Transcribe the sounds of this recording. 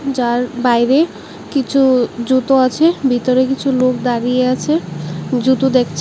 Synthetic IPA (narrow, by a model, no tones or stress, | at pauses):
d͡ʑaɾbajɾe | kit͡ɕʰud͡ʑut̪oat͡ɕʰebʱit̪oɾekit͡ɕʰulokd̪aɾijeat͡ɕʰed͡ʑut̪od̪ekʰt͡ɕʰ